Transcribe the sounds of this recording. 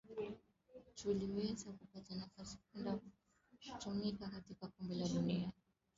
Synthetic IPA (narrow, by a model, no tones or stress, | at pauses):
t͡ʃuliwɛzakupatanafasi̥k̚unda | t͡ʃɔmikakatikakɔmbɛlaɗunia